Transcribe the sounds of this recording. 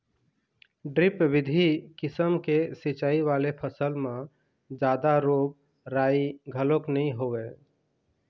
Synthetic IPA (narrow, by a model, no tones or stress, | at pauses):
ɖɾɪpʋɪd̪ʱikɪsəmkesit͡ʃaːiʋalepʰəsəlmẽ | d͡ʒaːd̪aɾoːb̚ | ɾaiɡʱəloknəĩɦowe